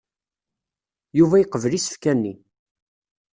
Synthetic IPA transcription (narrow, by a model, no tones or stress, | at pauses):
juvæjəqːəvəlisə̥fkænːḭ